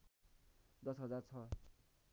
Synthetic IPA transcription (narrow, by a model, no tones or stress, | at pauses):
d̪ʌsɦʌd͡zart͡sʰʌ